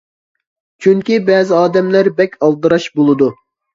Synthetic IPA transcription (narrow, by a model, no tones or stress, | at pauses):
t͡ʃʰyŋkʲibɛːzɪɑːd̪ɛmlæɾbɛkʲʰɑlˠd̪ɨɾɑʃbolˠɨd̪u